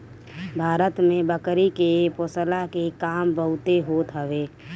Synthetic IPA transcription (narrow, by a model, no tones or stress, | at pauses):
bʱaːɾət̪mẽbəkɾikepoːsəlakekaːmbəɦʊt̪eɦoːt̪ɦəʋe